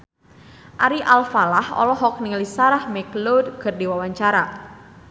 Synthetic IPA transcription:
ʔaɾiʔalfalahɔ̰lɔɦɔk̚niŋlisaɾahmɛklodkərdiwawaɲt͡ʃaɾa

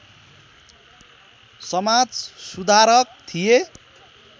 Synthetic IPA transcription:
sʌmad͡zsud̪ʱaɾʌk̚t̪ʰije

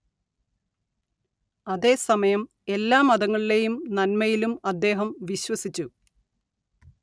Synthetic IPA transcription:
ɐðe̞ːsɐmɐjɐm | e̞lːaːmɐðɐŋːɐɭile̞jumnɐnmɐjilumɐd̪ːe̞ːɦɐmʋiɕwɐsit͡ɕːu

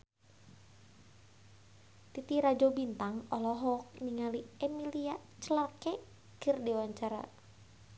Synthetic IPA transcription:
t̪it̪iɾad͡ʒobint̪aŋɔlɔɦɔk̚niŋaliɛmiliat͡ʃəlarkɛ | kɨrdɛwaɲt͡ʃaɾa̰

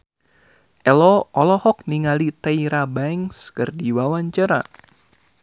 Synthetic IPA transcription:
ʔɛlɔɔlɔhɔk̚niŋalit̪ɛiɾabaŋskɨrdiwawaɲt͡ʃaɾa̰

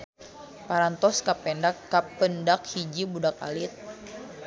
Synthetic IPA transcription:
paɾant̪ɔskapɛndakːapːəndak̚hid͡ʒibudak̚a̰lit̪̚

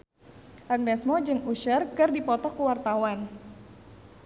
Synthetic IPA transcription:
ʔaɡ̚nɛsmɔd͡ʒɨŋuʃərkɨrdipɔt̪ɔkuwart̪awan

